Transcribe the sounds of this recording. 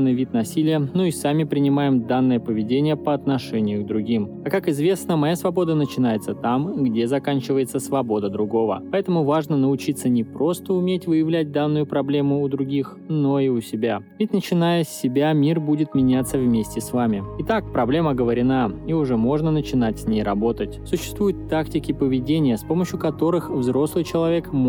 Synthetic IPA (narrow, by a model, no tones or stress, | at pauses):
nːɨjvʲit̪nɐsʲilʲɪjənoisamʲɪpɾʲɪnʲɪmajɪmd̪anːɨjəpəvʲɪdʲenʲɪjəpəɐt̪nɐʂɛnʲɪjʊɡd̪ɾʊɡʲimɐkakɪzvʲe̞snəmɐjasvɐbo̞d̪ənət͡ɕɪn̪ajɪt̪sət̪amɡdʲe̞zɐkanʲt͡ɕɪvəjɪt̪səsvɐbo̞d̪əd̪ɾʊɡo̞və̰pɐɛt̪əmʊvaʐnənəʊt͡ɕit̪sənʲɪpɾo̞st̪əʊmʲetʲvɨjɪvlʲæt̚ʲd̪anːʊjʊpɾɐblʲemʊːd̪ɾʊɡʲix | noiʊsʲɪbʲavʲɪtʲnət͡ɕɪnajəsʲːɪbʲamʲirbudʲɪt̪mʲɪnʲat̪səvmʲesʲtʲɪsvamʲɪɪt̪akpɾɐblʲe̞məɡəvəɾʲɪnaiʊʐɛmo̞ʐnənət͡ɕɪnatʲsʲnʲejrɐbo̞t̪ətʲsʊɕːɪ̥st̪vujʊt̪ːaktʲɪkʲɪpəvʲɪdʲenʲɪjəspo̞məɕːjʊkɐt̪o̞ɾɨxvzɾo̞slˠɨjt͡ɕɪlˠɐvʲekm